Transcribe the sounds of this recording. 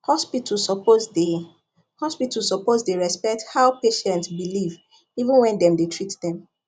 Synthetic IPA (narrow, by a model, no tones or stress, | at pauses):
hɔspitʰlsɔpozde | hɔspitlsɔpozdeɹɛspɛk̚thaʊpeʃɛ̃ntsbiliv | ivə̃nwɛ̃ndɛ̃mdetʰɹitdɛ̃m